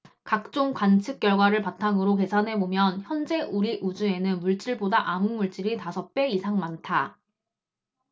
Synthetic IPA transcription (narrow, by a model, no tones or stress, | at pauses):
kak̚t͡ɕ͈oŋkwant͡ɕʰɯk̚k͈jʌɭɡwaɾɯɭpatʰaŋɯɾoke̞sʰanɦe̞bomjʌnçjʌnd͡ʑe̞uɾiʔud͡ʑue̞nɯnmuɭt͡ɕ͈iɭbodaʔamɯnmuɭt͡ɕ͈iɾitasʰʌp͈eisʰaŋmantʰa